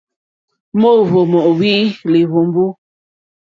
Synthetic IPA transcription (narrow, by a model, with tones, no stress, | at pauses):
mo˦˨βo˨mɔ˨ʔwi˦li˨βo˨m˦bu˦